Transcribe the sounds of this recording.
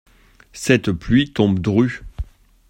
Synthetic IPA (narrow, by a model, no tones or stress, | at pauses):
sɛt̪plɥit̪ɔ̃bd̪ʁy